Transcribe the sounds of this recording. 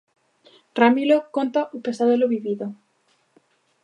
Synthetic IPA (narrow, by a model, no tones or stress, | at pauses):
ramilokont̪aʔupesaðeloβiβiðo